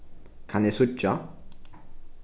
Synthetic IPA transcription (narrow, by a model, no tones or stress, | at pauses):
kʰanesut͡ʃːa